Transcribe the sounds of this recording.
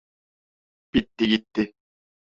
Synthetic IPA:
pit̪ːeɡit̪ːe

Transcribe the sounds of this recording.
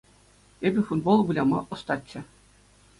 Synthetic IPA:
ebʲɘ̆fud̪̚bolˠbulʲɑmɑ̰ʔɤ̆st̪ɑtʲt͡ɕːɘ̆

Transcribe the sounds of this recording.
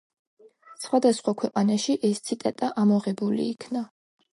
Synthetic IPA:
sχwad̪asχwakʰwɛqʼanaʃiʔɛst̪sʰit̪ʼat̪ʼaʔamɔʁɛbulḭːkʰna

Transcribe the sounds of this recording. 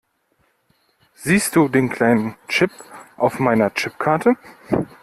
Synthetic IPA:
z̥iːst̚d̥uːdeːnkʰl̥aɪnənt͡ʃɪpʔaʊfmaɪnɐt͡ʃɪpkʰaɐtʰə

